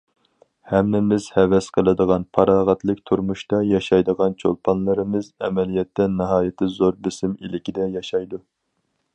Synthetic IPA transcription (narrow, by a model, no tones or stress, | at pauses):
hɛmnɪmɪz̥hɛvɛsqʰəlˠɨd̪əʁɑnpʰɑɾɑːʁɑt̪ʰlˠɨkʲt̪ʰuɾmuʃt̪ɑjɑʃɑjd̪əʁɑnt͡ʃʰo̰lˠpʰɑnlˠɨɾɨmɨzɛmɛlijɛt̪ːɛnɨɦɑːjɪt̪ʰɪzoɾbɪsɪmilɪkʲid̪ɛjɑʃɑjd̪u